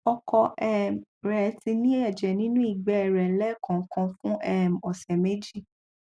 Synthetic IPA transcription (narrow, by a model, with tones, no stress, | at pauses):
ɔ˧kɔ˧ɛ˦m˨ɾɛ˨˦ti˧nĩ˦ɛ˦˨d͡ʒɛ˨nĩ˦nũ˦i˦˨ɡ͡bɛ˨˦ɛ˦˨ɾɛ˨lɛ˦˨kã˨˦kã˧fũ˦ʔɛ˦m̩˨ɔ˨sɛ˨me˦d͡ʒi˦˨